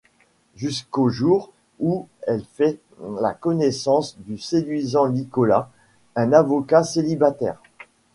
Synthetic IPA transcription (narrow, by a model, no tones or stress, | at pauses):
ʒyskoʒuʁ | uɛlfɛ | la̰kɔnɛsɑ̃sd̪ysed̪ɥizɑ̃likɔla̰ | ɛ̃navɔkaselibat̪ɛ̰ːʁ